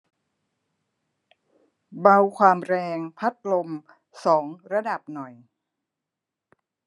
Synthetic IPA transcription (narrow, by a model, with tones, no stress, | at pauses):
ba˧wkʰwaː˧mɾɛː˧ŋpʰa˦˥t̪̚lo˧m | sɔː˩˦ŋɾa˧da˨˩p̚nɔ˨˩j